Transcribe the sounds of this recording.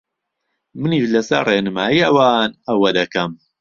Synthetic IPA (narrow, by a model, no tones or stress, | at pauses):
mɨniʃlɐsɐɾreːnɨmaːjiːɐwaːnɐwɐd̪ɐkɐm